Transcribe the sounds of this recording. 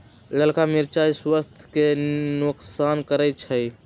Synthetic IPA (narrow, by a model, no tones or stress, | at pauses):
ləlkamiɾt͡ʃajswəst̪ʰkenuksankəɾət͡ʃʰəj